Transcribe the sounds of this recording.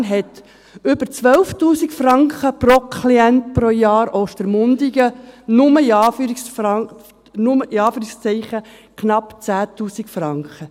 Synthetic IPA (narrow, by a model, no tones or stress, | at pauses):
nɦɛt | ʏbəɾt͡sʋœlftuːsikfrɑŋkχəprɔkʰliɛnt̚pɾojɑːɾɔːʃtəɾmʊnd̥̪iɡənʊməiɑːfɾ | nʊməʔɪɑːfyːɾikst͡sɛɪχə | kʰnɑpt͡sæːtuːsikfɾɑŋkχə